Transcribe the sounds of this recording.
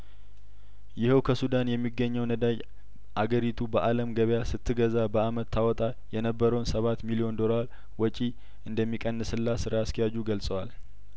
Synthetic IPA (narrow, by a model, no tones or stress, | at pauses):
jɪhəwkʰəsud̪anjɛmːiɡːəɲːəwnəd̪aj | ʔaɡəɾit̪ʰubəʔaləmɡəβjasɨt̪ʰːɨɡəzabəamət̪ːawɔt̪ʼa | jɛnəbːəɾəwnsəβat̪milijo̞nd̪o̞laɾ | wɔt͡ʃʼi | ʔɨnd̪əmːikʼənːɨsɨlːasɨɾaaskijad͡ʒuɡəlsʼəwal